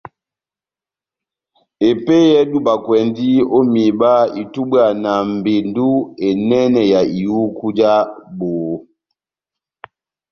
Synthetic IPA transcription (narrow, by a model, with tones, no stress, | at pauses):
e˨pe˦jɛ˦du˦ba˨kwɛ˨ndi˦o˦mi˨ba˦i˨tu˦bwa˨na˨m˨be˨ndu˦e˨nɛ˦nɛ˨ja˨i˨ju˦ku˦d͡ʒa˦bo˨˦